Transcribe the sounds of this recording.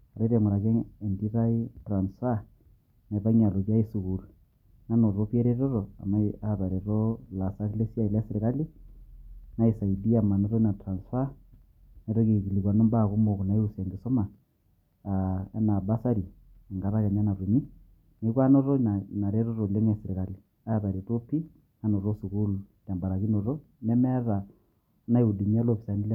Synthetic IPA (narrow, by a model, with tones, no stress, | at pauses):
a˨ɾe˦ɾe˨mu˨ɾa˨ke˦e˨ndi˦ɾa˦i˦tra˨nsfa˦ | ne˨ta˦ɲa˨lo˨kja˦i˦su˨ku˨ɾu˨ | na˦no˨ɾo˦pe˦ɾe˦ɾo˦ɾo˨a̰˨ma˦a˦βa˨ɾe˨ɾo˦la˨sa˦kle˦si˦a˦i˨la˦se˨ɾe˨ka˦li˦ | na˦i˨sa˨i˨di˦a˨ma˨ne˦ɾo˦na˨tɾa˨nsfa˦ | nɛ˦ɾɔ˦ke˨ki˨li˨kwa˨nɔ˦mba˦˨ku˦mo˨kna˨˦ju˦sa˨ŋɡɪ˨so˦maː˨ | ɛ˦na˨ba˦sa˦ɾi˨ | ŋɡa˨ɾa˦kɛ˨ɲa˦na˨ɾu˨mi˦ | ne˨˦kwa˦nɔ˦ɾɔ˦na˨na˨ɾe˦ɾo˦ɾo˨le˦ŋɛ˨sɪ˨ɾɪ˨ka˨li˨ | a˦βa˨ɾe˨to˦pi˦ | a˦no˨ɾo˦su˨ku˦lta˨mba˨ɾa˨ki˦no˨ɾo˦ | nɛ˦mɛ˦ɾa˨ | na˦ju˨di˨ɲi˦a˦lo˦pi˨sa˨ni˦l